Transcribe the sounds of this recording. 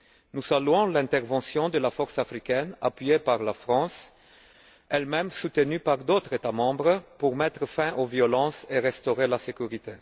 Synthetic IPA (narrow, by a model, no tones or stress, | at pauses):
nuzalyɔ̃lɛ̃t̪ɛʁvɑ̃sjɔ̃d̪əlafɔʁsafʁikɛna̰pɥiepaʁlafχɑ̃s | ɛlmɛmsut̪ənypaʁd̪ot̪ʁet̪amɑ̃bʁəpuʁmɛt̪ʁəfɛ̃ʔovjɔlɑ̃seʁɛst̪oʁelasekʲyʁit̪e